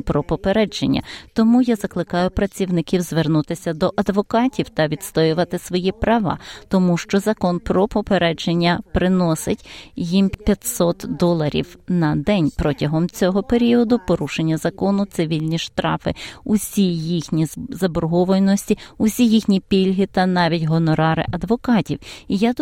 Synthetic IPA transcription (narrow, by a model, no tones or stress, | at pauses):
pɾɔpɔpeɾɛd͡ʒenʲːɐ̰t̪ɔmujazɐklˠɪkɑjʊpɾɐt͡sʲiwnɪkʲiwzʋernut̪ɪsʲɐd̪ɔʔɐd̪ʋɔkɑtʲiwt̪ɐʋʲid̪st̪ɔjʊʋɐt̪ɪsʋɔjipɾɐʋɑ̰t̪ɔmuʃt͡ʃɔzɐkɔnpɾɔpɔpeɾɛd͡ʒenʲːɐpɾɪnɔsɪtʲjimpʲjɐt̪ʲsɔt̪d̪ɔlˠɐɾʲḭwnɐd̪ɛnʲpɾɔtʲɐɦɔmt͡sʲɔɦɔpeɾʲiɔd̪ʊpɔɾuʃenʲːɐzɐkɔnʊt̪sɪʋʲilʲnʲiʃt̪ɾɑfɪ̰uʊsʲijixnʲizɐbɔrɦɔʋɔjnɔsʲtʲiʊsʲijixnʲipʲilʲɦɪt̪ɐnɑʋʲitʲɦɔnɔɾɑɾɪ̰ʔɐd̪ʋɔkɑtʲiwija